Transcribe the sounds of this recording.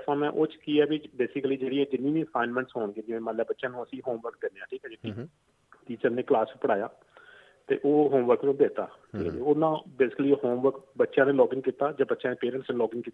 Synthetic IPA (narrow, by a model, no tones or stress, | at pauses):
d̪əfʰãːmɛ̃ːʔoːt͡ʃkiːɛːbibeːsɪkəliːd͡ʒeːɽiːɛːd͡ʒɪnːĩːʋĩːəsaːɪnmɛ̃ːɳʈsɦoːɳɡeːd͡ʒɪʋẽːmə̃ːlɛːbətːʃãːnũːəsĩːɦoːmʋəɾk̚d̪eːɾneːãːʈʰiːkɛːd͡ʒei | ʈ̪iːt͡ʃəɾneːklaːspəɽaːja̰ː | t̪ḛːʔoːɦoːmʋəɾknõːbeːt̪a̰ː | oːnãːbeːsɪ̥kəliːɦoːmʋəɾkbətːʃãːneːlɔːɡɪ̃ŋɡkiːt̪aːd͡ʒãːbətːʃãːneːpeːɾə̃ɳʈsneːlɔːɡɪ̃ŋɡkiːt̪aː